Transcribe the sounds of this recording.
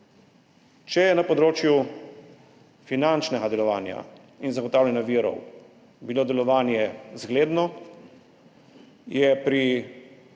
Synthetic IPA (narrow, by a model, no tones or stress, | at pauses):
t͡ʃɛjɛnapɔd̪ɾoːt͡ʃju | finant͡ʃnɛɡad̪ɛlɔʋaːnja̰ | inzaɡɔt̪aːwlʲɛnjaʋiɾɔ̰w | biloːd̪ɛlɔʋaːnjɛzɡleːd̪nɔ | jɛpɾi